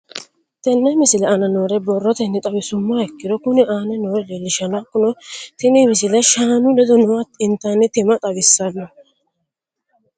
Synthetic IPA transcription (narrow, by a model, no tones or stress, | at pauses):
t̪ɛnːɛmɪsɪlɛʔɐnɐnoːɾɛbɔrːɔt̪ɛnːɛt̪ʼɐbɪsʊmːaɛkːɪd̪ɔkʊnɪʔaːnɛnoːɾɛlelɪʃɐnakːʊnɔt̪ɪmimɪsɪlɛʃaːnʊlɛd̪ɔnɔwat̪ɪnt̪ːɐnːɪt̪ɪmɐt̪ʼɐbɪsːɐlːɔ